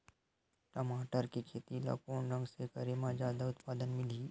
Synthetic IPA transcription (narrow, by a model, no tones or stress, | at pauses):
ʈɐmaːʈəɾkikʰeːt̪ila̰ːkoːnɾə̃ŋɡsekɐɾemãd͡ʒjaːd̪aʊt̪paːd̪ənmɪliː